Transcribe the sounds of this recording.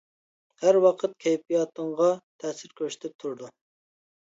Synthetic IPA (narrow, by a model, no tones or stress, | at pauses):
hæɾwɑqʰət̪̚kʲʰɛjpijɑt̪əŋʁɑt̪ʰɛsɪɾkʲʰøʃi̥t̪ʰɪp̚t̪ʰuɾd̪u